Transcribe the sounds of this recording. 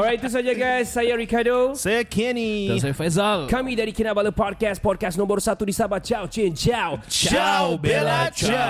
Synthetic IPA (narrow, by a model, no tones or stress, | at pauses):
ɔɹaj̚t̪us̬ad͡ʒaɡajsːajaɹikadosajakʰɛnias̬ajfɛzalkʰamidadikinabaləpɔd̚kaspɔd̚kasnɔ̃mbərsat̪udisabat̚t͡ʃawt͡ʃẽnt͡ʃawt͡ʃablt͡ʃa